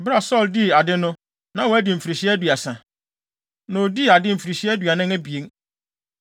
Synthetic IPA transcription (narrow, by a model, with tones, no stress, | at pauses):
bɾa˨sɔ˦˨ldi˦˨a˨dɪ˦nʊ̃˦ | nã˨˦wɔ˨˦æ˦di˨m̩˨fi˨ɾi˨ɕi˦æ˦du˨a˨sã˨ | nã˨o˨di˦˨a˨dɪ˦m̩˨fi˨ɾi˨ɕi˦æ˦dɥa˨nɪ̃˦ŋæ˦bi˨e˦ŋ